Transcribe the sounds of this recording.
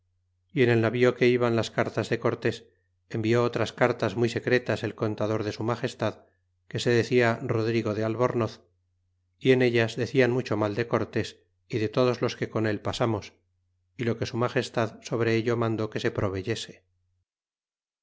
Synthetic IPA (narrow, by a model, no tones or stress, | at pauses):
ie̞ne̞lnaβio̞ke̞iβanlaskaɾt̪azðe̞ko̞ɾt̪e̞s | e̞mbio̞ot̪ɾaskaɾt̪azmujse̞kɾet̪ase̞lko̞nt̪aðo̞ɾðe̞sumaχe̞st̪að | ke̞se̞ðe̞θiaro̞ðɾiɣo̞ðealβoɾnoθ | ie̞ne̞ʎazðe̞θianmut͡ʃo̞mald̪e̞ko̞ɾt̪e̞s | iðe̞t̪o̞ð̞o̞zlo̞ske̞ko̞ne̞lpasamo̞s | ilo̞ke̞sumaχe̞st̪aðso̞β̞ɾe̞eʎo̞mãnd̪o̞ke̞se̞pɾo̞β̞e̞ʝe̞se̥